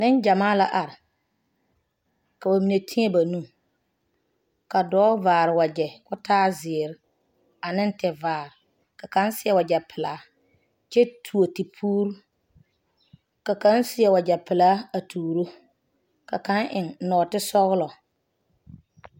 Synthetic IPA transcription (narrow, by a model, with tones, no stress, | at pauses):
nɪ˦nd͡ʒa˨maː˦la˦ʔa˨ɾɪ˨ | ka˨ba˨mi˨ne˨tʰi˦e˦ba˨nũ˦ | ka˨dɔː˦vaː˨ɾɪ˨wa˨d͡ʒɛ˨kʊ˦tʰaː˦zɪː˨ɾɪ˦ | a˨nɪ˦n˦tɛ˨vaː˨ɾɪ˨ | ka˨ka˦n˦sɪ˦ɛ˦wa˨d͡ʒɛ˨pʰɪ˨laː˨˦ | t͡ʃɛ˦tʰu˨o˨ti˨pʰuː˦ɾu˦ | ka˨kã˨˦nsɪ˦ɛ˨wa˨d͡ʒɛ˨pɪ˨laː˨˦a˨tʰuː˨ɾo˦ | ka̰˨ka˦ŋʔɪ˨nnɔː˨tɪ˦sɔ˦ɣʊ˦lɔ˨